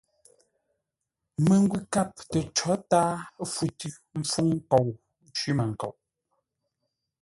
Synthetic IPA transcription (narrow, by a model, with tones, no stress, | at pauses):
me˨ŋ˦ɡwi˨ka˦˨p̚tɛ˨t͡ʃɔ˨˦taː˦fu˨tʉ˦ | m̩˦p͡fu˦ŋ˦ko˨w | n˦t͡ʃɥi˦mə˨ŋ̩˨kɔ̰˨wʔ